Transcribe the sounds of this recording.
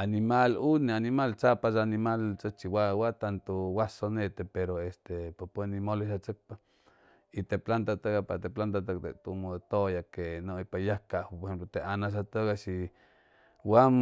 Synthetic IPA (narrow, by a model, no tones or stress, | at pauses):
animalunianimalt͡sapasanimalt͡sət͡ʃiwawat̪ant̪owasonet̪epeɾoest̪epapwenimoleʃat͡sək̚pa | it̪eplant̪at̪aɡapa̰t̪eplant̪at̪ak̚t̪ḛt̪umot̪ojakenoipajakapoɾhxemplot̪eʔanas̬at̪oɡaʃi | wam